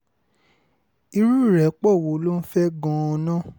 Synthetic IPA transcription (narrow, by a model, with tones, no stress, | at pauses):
i˧ɾu˦˨ɾɛ˨k͡pɔ˦˨wo˨˦lo˦n̩˦fɛ˦ɡɔ̃˧ɔ˧nã˦˨